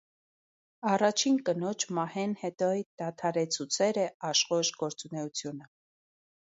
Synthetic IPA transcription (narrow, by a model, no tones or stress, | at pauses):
ɑrɑt͡ʃʰinkənɔt͡ʃʰmɑhɛnhɛt̪ɔd̪̥ɑt̪ʰɑɾɛt͡sʰut͡sʰɛɾəɑʃχɔʃɡɔɾt͡sunɛut͡sʰjunə